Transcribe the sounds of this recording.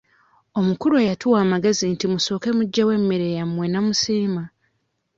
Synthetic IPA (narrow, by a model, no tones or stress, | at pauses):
o̞mukuɾuejatuwaːmaɡe̞zintimuso̞ːke̞muɟːewe̞mːiɾejamwe̞namusiːma